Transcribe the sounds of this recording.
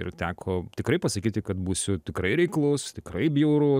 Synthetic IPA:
ɪ̰ɾt̪ʲæːkʰoːt̪ʲɪkɾɐɪpɐsɐkʲiːt̪ʲɪkɐt̪buːsʲʊt̪ʲɪkɾɐɪɾʲɛɪklˠʊst̪ʲɪkɾɐɪbʲjuːɾʊ

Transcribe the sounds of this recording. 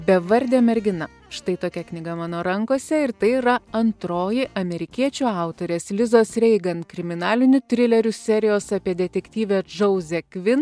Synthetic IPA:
bʲɛʋɐɾʲd̪ʲeːmʲɛɾʲɡʲɪnɐ | ʃt̪ɐɪt̪oːkʲɛknʲɪɡɐmɑːnoːɾɐŋkoːsʲɛɪɾt̪ɐɪɾɐɐnt̪ɾoːjɪʔɐmʲɛɾʲɪkʲiɛt͡ʃʲuɑˑʊt̪oːɾʲeːslʲɪzoːsɾʲɛɪɡɐnt̪kɾʲɪmʲɪnɑːlʲɪnʲʊt̪ʲɾʲɪlʲɛɾʲʊsʲɛɾʲɪjoːsɑːpʲiɛd̪ʲɛt̪ʲɛkʲt̪ʲiːʋʲeːd͡ʒɐʊzʲɛkʋʲɪn

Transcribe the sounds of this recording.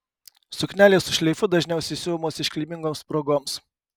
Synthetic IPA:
sʊkʲnʲæːlʲeːsʊʃʲlʲɛɪfʊd̪ɐʒʲnʲɛʊsʲɛɪsʲuːmoːsɪʃkʲlʲiːmʲɪŋɡoːmspɾoːɡoːms

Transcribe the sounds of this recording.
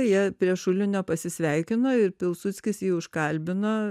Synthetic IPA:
jiɛpʲɾʲiɛʃʊlʲɪnʲoːpɐsʲɪsʲʋʲɛɪkʲɪnoɪɾpʲɪlˠsʊt̪t͡s̪ʲkʲɪsjiːʊʃkɐlʲbʲɪnɐ

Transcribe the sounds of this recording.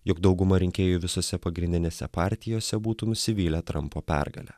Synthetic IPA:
jʊkd̪ɒʊɡʊmɐɾʲɪŋʲkʲeːjʊʋʲɪsoːsʲɛpɐɡɾʲɪnʲd̪ʲɪnʲeːsʲɛ̰pɑːɾʲt̪ʲɪjoːsʲɛbuːt̪uːnʊsʲɪʋʲiːlʲɛːt̪ɾɐ̰mpoːpʲæ̰ɾɡɐ̰lʲæ̰ː

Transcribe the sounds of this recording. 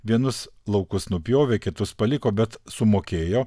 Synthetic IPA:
ʋʲiɛnʊslˠɒʊkʊsnʊpʲjoːʋʲeːkʲɪt̪ʊspɐlʲɪkoːbʲɛt̪sʊmoːkʲeːjoː

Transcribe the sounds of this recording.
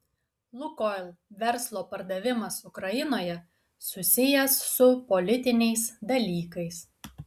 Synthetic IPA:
lˠʊkoɪlʲˠʋʲɛɾslˠoːpɐɾd̪ɐʋʲɪmɐsʊkɾɐjɪnoːjɛ | sʊsʲɪjɛsːʊpɔlʲɪt̪ʲɪnʲɛɪsd̪ɐlʲiːkɐɪs

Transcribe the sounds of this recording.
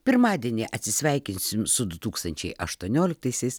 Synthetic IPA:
pʲɪɾmɑːd̪ʲiɛnʲeːʔɐt̪ʲsʲɪsʲʋʲɛɪkʲɪnsʲɪmsʊd̪ʊt̪uːkst̪ɐnʲt͡ʃʲɛɪʔɐʃt̪uɔnʲoːlʲɪk̚t̪ɐɪsʲɛɪs

